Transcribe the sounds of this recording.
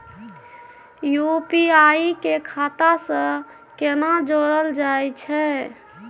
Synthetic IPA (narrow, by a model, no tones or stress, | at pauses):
jupiaikekʰat̪asə̃ | kenad͡ʒoɾəld͡ʒajt͡ʃʰɛ